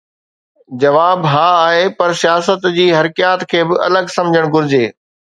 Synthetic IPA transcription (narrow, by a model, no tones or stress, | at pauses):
d͡ʑɐʋaːbɦaːaːɦepɐɾsijaːsət̪d͡ʑiːɦɐɾɪkijaːt̪kʰeːbɪɐ̰ləɡsɐ̃md͡ʑʱəɽ̃ɡʊɾɪd͡ʑeː